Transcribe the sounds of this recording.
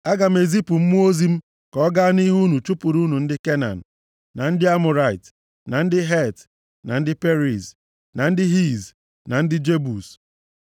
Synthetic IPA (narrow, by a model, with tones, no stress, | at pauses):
a˦ɡa˨m̩˦e˨zi˦pu˨m̩˦mu˦o˦zi˦m̩˦ | kɔ˦ɡa˦a˦ni˦ɦu˦nu˨t͡ʃu˦pu˨ɾu˦nu˨n̩˦dɪ˦ke˦na̰˨n̩˨ | na˨n̩˦dɪ˦a˦mʊ˨ɾa˨ɪ˨t | na˨n̩˦dɪ˦ɦe˦˨t | na˨n̩˦dɪ˦pe˦ɾi˨s | na˨n̩˦dɪ˦ɦi˦˨z | na˨n̩˦dɪ˦d͡ʒe˦bu˨s